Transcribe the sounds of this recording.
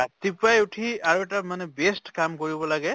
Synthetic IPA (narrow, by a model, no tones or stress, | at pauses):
at̪ipajuʈʰiaɹuɛʈamanɛbesʈkamkoɹibɔlaɡɛ